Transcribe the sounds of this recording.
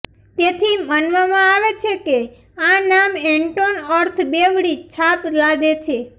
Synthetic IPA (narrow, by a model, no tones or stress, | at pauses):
t̪et̪ʰimənʋamãaʋet͡ʃʰeke | anameɳʈonəɾt̪ʰbeʋɽit͡ʃʰaplaɡet͡ʃʰe